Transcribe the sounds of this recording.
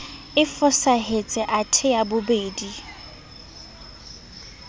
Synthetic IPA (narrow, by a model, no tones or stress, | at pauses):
ɪfʊsaɦet͡sʼɛʔatʰɪjabʊbeːdi